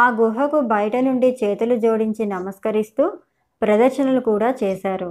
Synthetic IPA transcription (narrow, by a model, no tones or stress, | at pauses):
aːɡuɦɐkubɐjɐʈɐnuɳɖit͡ʃeːt̪ulud͡ʒo̞ːɽiɲt͡ʃinɐmɐskɐɾist̪uː | pɾɐd̪ɐɾʃɐnɐlukuːɽaːt͡ʃɛːʃaːɾu